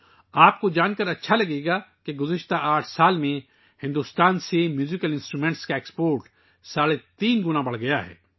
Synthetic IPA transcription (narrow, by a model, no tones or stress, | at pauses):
aːp̚kod͡ʒaːnkəɾɐtːʃʰalɐɡeːɡakeɡʊzɪʃt̪aʔaːʈʰsaːlmẽ | hɪ̃nd̪ust̪aːnsemjuːzɪkəlɪ̃nsʈɾuːmẽːɳʈskaekspoːɾʈ | saːlet̪iːnɡʊnabɐɽ̤ɡɐjaɦɛ̰ː